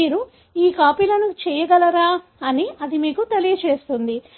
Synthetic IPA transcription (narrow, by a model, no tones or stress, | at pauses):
iːɾu | iːkaːpiːlɐnut͡ʃɛːjɐɡɐlɐɾaː | ɐniɐd̪imiːkut̪elijɐt͡ʃeːst̪und̪i